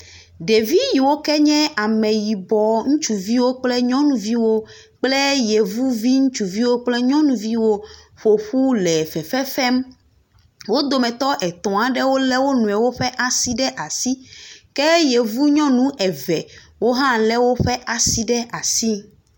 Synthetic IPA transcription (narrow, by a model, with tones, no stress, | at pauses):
ɖe˨vi˦ji˨wo˦kɛ˦ɲɛ̃˦a˨mɛ̃˨ji˨bɔ˨ŋũ˦t͡ʃu˨vi˦wo˦k͡plɛ˦ɲɔ̃˦nũ˨vi˦wo˦ | k͡plɛ˦je˨vu˦vi˦ŋũ˦t͡ʃu˨vi˦wo˦k͡plɛ˦ɲɔ̃˦nũ˨vi˦wo˦ | ɸo˨ɸu˦lɛ˨fɛ˨fɛ˦fɛ˦m | wo˦d̪o˨mɛ̃˨t̪ɔ˦ʔɛ˨t̪ɔ̃˨a˨ɖɛ˦wo˦lɛ˦wo˦nũ˨ɛ˨wo˦ɸɛ˦ʔa˨si˦ɖɛ˦ʔa˨si˦kɛ˦je˨vu˦ɲɔ̃˦nũ˦ʔɛ˨vɛ˨ | wo˦ɦã˦lɛ˦wo˦ɸɛ˦ʔa˨si˦ɖɛ˦ʔa˨si˦